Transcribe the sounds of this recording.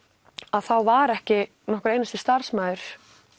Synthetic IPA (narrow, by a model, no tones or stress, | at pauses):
aðθawvaɾɛhcɪ | nɔhkʏɾeːjnast̪ɪst̪aɾ̥smaːjðʏɾ̥